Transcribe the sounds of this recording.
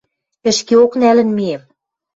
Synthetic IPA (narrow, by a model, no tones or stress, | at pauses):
ɘ̆ʃkeoknælɘ̆nmiem